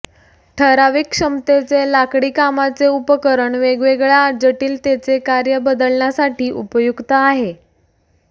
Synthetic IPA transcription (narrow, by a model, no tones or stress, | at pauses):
ʈʰəɾaʋiːkʂəmt̪et͡selakɽiːkamat͡seupəkəɾəɳʋeɡʋeɡɭad͡ʑəʈiːlt̪et͡sekaɾjəbəd̪əɭɳjasaʈiːʔupəjuɡt̪əaɦe